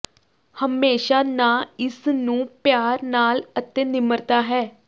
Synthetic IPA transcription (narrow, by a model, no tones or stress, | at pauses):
həmeːʃaːnaːɪsnũːpjaːɾnaːlət̪ẽːnɪməɾt̪aːɦɛː